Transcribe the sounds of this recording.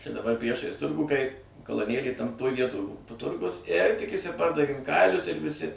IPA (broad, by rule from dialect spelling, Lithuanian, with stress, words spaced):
t͡ʃʲɛ dɐˈbɐr ˈpʲrʲiɛʃɐɪs ˈtʊrɡuː kɐɪ kɐlˠoːˈnʲeːlʲeːj tɐm toːj ˈʋʲiɛtoːj toː ˈtʊrɡʊs ɪr tʲɪk ɪʃʲsʲɪˈpɐrdɐʋʲeːm ˈkɐɪlʲʊs ɪr ʋʲɪˈsʲɪ